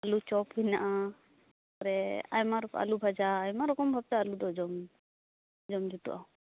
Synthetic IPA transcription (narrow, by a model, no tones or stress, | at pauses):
alut͡ʃɔpbinaʔa | ɔɾɛa̰jmaɾɔka̰lubʱad͡ʒaːjmaɾɔkɔmbʱab̚t̪aːlud̪ɔd͡ʒɔm | d͡ʒɔmd͡ʒut̪ṵʔã